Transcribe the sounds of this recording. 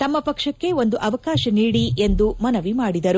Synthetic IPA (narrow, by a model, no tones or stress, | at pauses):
t̪ɐmːɐpɐkʂɐkːe̞o̞nd̪uʔɐʋɐkaːʃɐniːɽiʔe̞nd̪umɐnɐʋimaːɽid̪ɐɾu